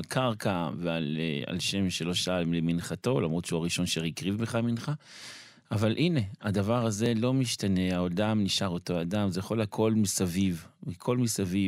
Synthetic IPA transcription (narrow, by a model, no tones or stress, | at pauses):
lkʰaʁkavealea̰lʃe̞mʃelo̞ʃaaimleminχato̞lamʁot̪ʃeuaʁiʃo̞nʃeʁikʁivbeχaminχa | ʔavalʔine̞ad̪avaʁaze̞lo̞miʃtane̞aodamniʃaʁo̞to̞ad̪amzejaχo̞lakʰo̞lmisavivmikʰo̞lmisavi